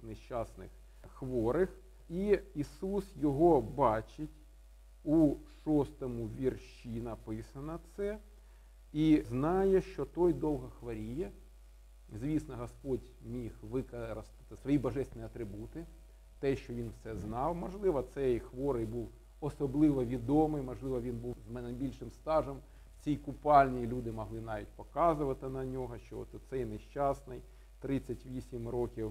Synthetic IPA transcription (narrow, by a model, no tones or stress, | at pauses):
nɪʃt͡ʃɑsnɪ̰x | xʋɔɾɪx | iisusjɔɦɔbɑt͡ʃɪtʲ | uʃɔst̪ɔmuʋʲirʃinɐpɪsɐnɐt̪sɛ | iznɑjɛʃt͡ʃɔt̪ɔjd̪ɔlˠɦɐxʋɐɾʲijɛ | zʲʋʲisnɔɦɐspɔdʲ | mʲixʋɪkɐɾɐst̪ɪ̥t̪ɪsʋɔjibɐʒɛsʲt̪ʲnʲiɐt̪ɾɪbut̪ɪ | t̪ɛʃt͡ʃɔʋʲinwsɛznɑwmɔʒlˠɪʋɐt̪sɛjxʋɔɾɪjbuw | ɔsɔblˠɪʋɔʋʲid̪ɔmɪjmɔʒlˠɪʋɐʋʲinbuwznɐjbʲilʲʃɪmst̪ɑʒɔm | t͡sʲijkʊpɑlʲnʲijlʲud̪ɪmɔɦlˠɪnɑʋʲit̚ʲpɔkɑzʊʋɐt̪ɪnɐnʲɔɦɔʃt͡ʃɔɔ̰t̪ɔt̪sɛjneʃt͡ʃɑsnɪj | t̪ɾɪt͡sʲːɐtʲʋʲisʲimrɔkʲiw